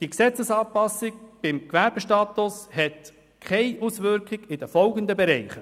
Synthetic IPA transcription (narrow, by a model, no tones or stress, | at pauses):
d̥iəksɛt͡səsɑːpɑsɪk̚b̥ɪmkvæɾb̥əʃtɑːtʊshɛt | kʰaɪʔusʋʏɾkχɪɡɪd̥əfɔlɡənd̪əbɛɾɛɪχə